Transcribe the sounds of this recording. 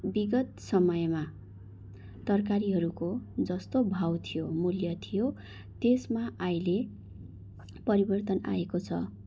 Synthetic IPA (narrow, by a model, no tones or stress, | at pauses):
biɡʌt̪sʌmʌjma | t̪ʌrkaɾiɦʌɾukod͡zʌst̪obʱawt̪ʰijomuljʌt̪ʰijo | t̪esmaajle | pʌɾibʌrt̪ʌna̰ekot͡sʰʌ̰